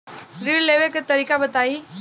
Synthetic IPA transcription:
ɾileʋekt̪ɐɾiːkabət̪aːi

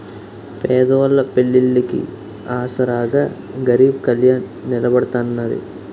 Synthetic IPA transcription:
pɛːd̪ɐʋɐlːɐpeɭːilːikḭ | aːsɐɾaːɡaː | ɡɐɾiːb̚kɐljaːnːɪlɐbɐɽɐt̪aːnɐnːɐd̪ḭ

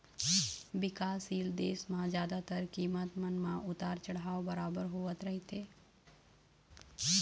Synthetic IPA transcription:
bɪkaːsild̪eːsmãd͡ʒjaːd̪at̪əɾkiːmət̪mənmãʔʊt̪aːɾt͡ʃəɽaːʋbəɾaːbəɾɦoʋət̪ɾəɦit̪e

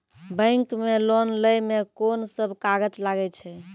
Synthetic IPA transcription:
bə̃ɪŋkmelonləjmekonsəbʱkaɡəd͡ʒlaɡɛt͡ʃʰɛ

